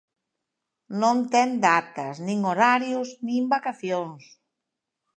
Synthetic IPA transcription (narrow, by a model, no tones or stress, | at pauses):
nõnt̪ɛnd̪at̪ɐsnĩŋoɾaɾjʊsnĩmbakaθjoŋs